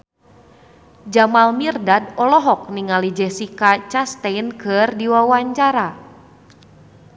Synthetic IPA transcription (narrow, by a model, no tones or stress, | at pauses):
d͡ʒamalmirdad̚ɔlɔɦɔk̚niŋalid͡ʒɛsikat͡ʃast̪enkɨrdiwawaɲt͡ʃaɾa